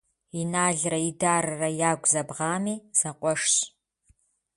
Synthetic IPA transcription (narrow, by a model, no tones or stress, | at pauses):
inaːɮrɐidaːɾɐrɐjaːɡʷzɐbʁɑːmiːz̥ɐqʷʼɔʂɕ